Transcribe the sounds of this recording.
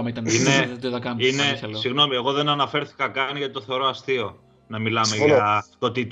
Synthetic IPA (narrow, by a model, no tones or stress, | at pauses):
mit̪ɐninet̪ðɐkɐineɐlsiɣno̞mie̞ɣo̞ðe̞nɐnɐfe̞ɾθi̥kɐkɐniʝɐt̪o̞θeɾoɐst̪io̞ | nɐmilɐmeʝɐt̪ot̪it̪